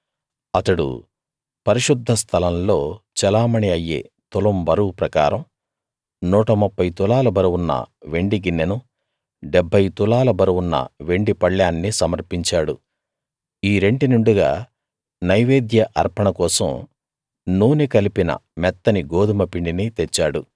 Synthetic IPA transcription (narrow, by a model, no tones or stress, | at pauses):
ɐt̪ɐɽṵ | pɐɾiʂud̪ʱːɐst̪ʰɐlɐmlo̞ːt͡ʃɛlaːmɐɳiɐjːḛːt̪ulɐmbɐɾupɾɐka̰ːɾɐm | nuːʈɐmupʰːɐjt̪ulaːlɐbɐɾuwunːɐ̰ʋe̞ɳɖiɡinːenu | ɖeɛbʱːɐjt̪ulaːlɐbɐɾuwunːɐ̰ʋe̞ɳɖipɐɭːjaːnːisɐmɐɾpiɲt͡ʃaːɽu | iːɾe̞ɳɖinuɳɖuɡa̰ː | nɐjʋeːd̪jɐʔɐɾpɐɳɐkɔːsɐ̰m | nuːnikɐlipinɐ̰mɛt̪ːɐniɡoːd̪umɐpiɳɖinit̪et͡ʃːaːɽu